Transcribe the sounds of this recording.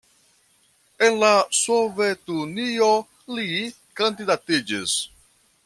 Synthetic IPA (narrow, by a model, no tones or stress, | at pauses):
enlasovetunio | li | kandidatid͡ʒḭs